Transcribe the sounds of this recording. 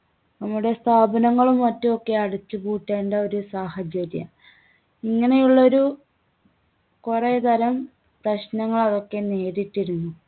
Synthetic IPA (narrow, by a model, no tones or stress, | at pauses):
nɐmːuɽe̞st̪ʰaːbɐnɐŋːɐɭumːɐtːuokːe̞ɐɽut͡ɕːɨbuːʈːeːɳɖɐo̞ɾusaːhɐd͡ʑɐɾjɐ̰ | iŋːɐne̞juɭːɐo̞ɾu | kuret̪ɐɾɐm | prɐɕnɐŋːɐɭɐrokːe̞neːɾiʈːiɾunːu